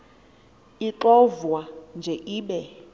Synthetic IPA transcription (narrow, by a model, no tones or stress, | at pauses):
iǁɔvwand͡ʒʱɛʔiːɓɛ